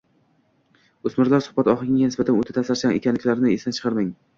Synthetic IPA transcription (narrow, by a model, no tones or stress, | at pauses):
osmɪɾlaɾsʊ̥hbat̪ɒχɨɪŋɡʲanɪsbat̪ʰanot̪ʰɪt̪ʰasaɾsaŋekʲʰanlɪkʲlaɾnɪesant͡ʃʰɨ̥qʰɨɾmɪŋ